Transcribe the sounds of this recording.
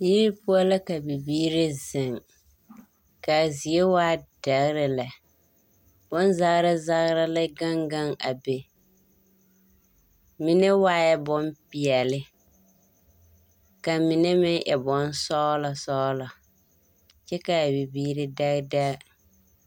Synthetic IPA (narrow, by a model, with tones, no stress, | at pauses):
ji˦ɾi˦pʊ˦a˦la˦ka˨bi˨biː˦ɾɪ˦zɪ˨ŋ | ka˨zi˨e˦waː˦d̥a˨ɣɾɪ˨la˨ | b̥ɔ˦nza˦ɣɾa˦za˦ɣɾa˦la˦ɡa˦ŋɡa˦ŋa˨be˨ | mi˦ne˦waː˦jɛ˦bɔ˦mpi˨ɛ˨lɪ˦ | ka˨mi˨ne˦mɪ˦ŋʔɛ˨bɔ˨˦nsɔ˦la˨sɔː˦la˨ | t͡ʃɛ˦ka˨bi˨biː˦ɾɪ˦da˦ɣda˦ɣ